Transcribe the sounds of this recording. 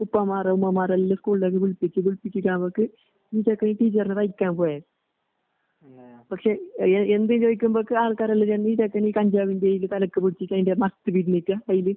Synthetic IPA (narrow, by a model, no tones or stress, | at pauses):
upːɐmaːrɐumːɐmaːrɐlːɐskuːɭleːk̬ːɨʋuɭpit͡ɕːɨuɭpikʲːikʲːaːboːkːɨ | niːt͡ɕɐkːɐniʈiːt͡ɕːɐrnɨrɐjikʲːaːnpoːjaːðɨ | pɐkʂe̞end̪ijmt͡ɕoːjikʲːumbokːɨaːɭkaːɾɐlːɐt͡ɕɐnːiːt͡ɕɐkːɐniːkɐɲd͡ʑaːʋindeːjilɨt̪ɐlɐkːɨpiɽit͡ɕːikʲːɐðindemɐst̪ɨpiɾnikːakɐjilɨ